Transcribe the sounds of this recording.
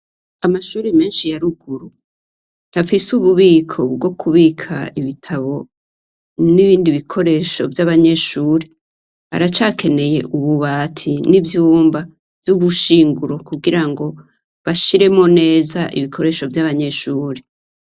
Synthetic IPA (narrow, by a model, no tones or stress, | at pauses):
amaʃuːɾime̞ːnʃijaɾuɡuɾu | nafisuβuβiːkʰo̞ɡɡwo̞kʰuβikʰa̰iβitʰaβo̞ | niβiːndiβikʰo̞ɾe̞ʃo̞vjaβaɲe̞ʃuːɾe | a̰ɾat͡ʃaːkʰe̞ne̞je̞ʔuβuβaːtʰinivjuːmba | vjuβuʃiːŋɡuɾo̞kuɡiɾaŋɡo̞ | βaʃiɾe̞mo̞ne̞ːzaʔḭβikʰo̞ɾe̞ːʃo̞vjaβaɲe̞ʃuːɾe